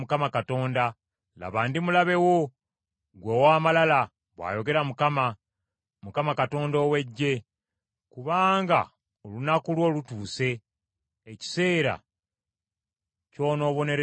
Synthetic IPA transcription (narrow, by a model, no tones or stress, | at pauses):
mukamakato̞ːnda | la̰βaːndimulaβe̞wo̞ | ɡweːwaːmalala | βwa̰ːjo̞ɡe̞ɾamukama | mukamakato̞ːndo̞ːwe̞ɟːe̞ | kuβaːŋɡa̰ | olunakulwo̞ːlutuːse̞ː | ci̥se̞ːɾa̰ | co̞ːno̞ːβo̞ne̞ɾe